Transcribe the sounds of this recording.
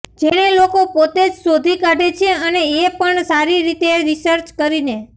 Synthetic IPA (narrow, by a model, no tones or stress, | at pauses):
d͡ʒeɽ̃elokopot̪ed͡ʒsod̪ʱikaɖet͡ʃʰeəneːpəɳsaɾiɾit̪eɾisəɾt͡ʃkəɾine